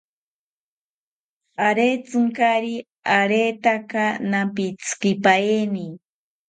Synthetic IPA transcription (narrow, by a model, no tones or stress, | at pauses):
aɾet͡sɨŋkaɾi | aɾet̪akanampit͡skipaeni